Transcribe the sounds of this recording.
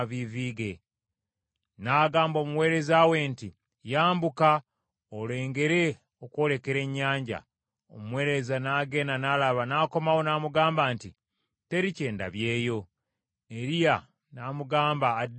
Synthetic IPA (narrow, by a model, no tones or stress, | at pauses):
βiviːɡe̞ | naːɡaːmbo̞ːmuwe̞ːɾe̞zawe̞nti | jaːmbuka | ole̞ːŋɡe̞ɾe̞ | o̞kwo̞ːle̞ke̞ɾe̞ɲːaːɲɟa̰ | o̰muwe̞ːɾe̞zanaːɡe̞ːnanaːlaβanaːko̞mawo̞naːmuɡaːmbaːnti | te̞ɾice̞ːnda̰βje̞ːjo̞ | neɾija | namuɡaːmbaːd